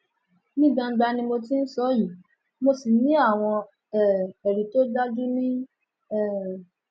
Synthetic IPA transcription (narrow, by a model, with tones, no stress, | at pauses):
nĩ˦ɡ͡bã˧˦ɡ͡ba˧nĩ˧mo˧ti˦n̩˦sɔ˦ji˨˦ | mo˧si˨nĩ˦a˦˨w̃ɔ̃˧ | ɛ˨ɛ˨ɾi˨to˦da˦d͡ʒu˦nĩ˦ | ɛ˦˨